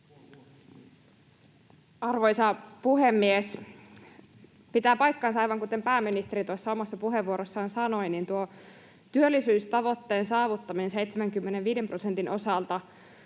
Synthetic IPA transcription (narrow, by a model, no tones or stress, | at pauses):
ɑrʋo̞jsɑpuɦemːies | pit̪æːpɑjkːɑːnsɑɑjʋɑŋkut̪e̞mpæːmːinist̪eɾit̪usːɑo̞mɑsːɑpuɦe̞ʋuoɾosːɑːnsɑno̞jnint̪uo | t̪yølːisyːst̪ɑʋo̞t̪ːe̞ːnsɑːʋut̪ːɑminensejt̪semæŋkymːeneʋʋiːdemprosent̪inʔo̞sɑlt̪ɑ